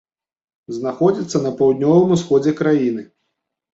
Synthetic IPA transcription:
znaxɔd͡zʲit̪sːɐnɐpawd̪̚ʲnʲɔvɐmusxɔd͡zʲɛkɾajinɨ

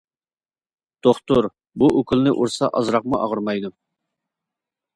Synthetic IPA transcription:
d̪̥oχt̪uɾ | buʔøkʲʰylˠnɪʔuɾsɑʔɑzɾɑq̚muʔɑ̰ʁəɾmɑjd̪u

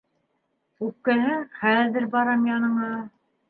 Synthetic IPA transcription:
kʉp̚kæɦɘχæðɘɾbɑɾɑmjɑnɤ̆ɴɑ

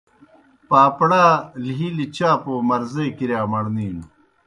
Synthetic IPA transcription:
paːpɽaːliɦilit͡ɕaːpoːmɐɾzeːkiɾjaːmɐɽniːn

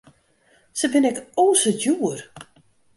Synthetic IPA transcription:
səbɪnɛkoːsətjuər

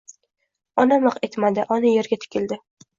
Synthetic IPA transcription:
ɒnamɨqe̞t̪mad̪ɪʔɒnɪje̞ɾɡʲat̪ʰɪ̥kʲʰɪld̪ɪ

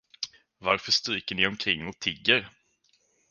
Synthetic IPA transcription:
vaɾfœʂt̪ɾiːkəɳɪɔmkʰɾɪŋːɔt̪ʰɪɡːəɾ

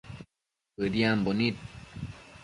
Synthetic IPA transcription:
ɯd̪iambonit̪̚

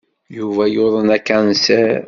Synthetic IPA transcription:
juvæjoðˤənækːænsæ

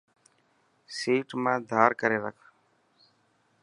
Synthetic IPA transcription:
siːʈmãːd̪ʱaːɾkəɾeːɾəkʰ

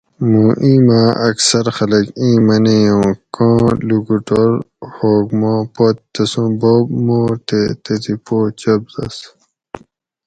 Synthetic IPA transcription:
mũʔĩːmãʔɐksɐɾxɐlɐkĩːmɐnejõːkɔ̃ːluɡuʈoɾ | hoːɡmãːpot̪t̪ːɐsũboːbmoːɾt̪et̪et̪ipoːt͡ɕɐbzɐ̰s

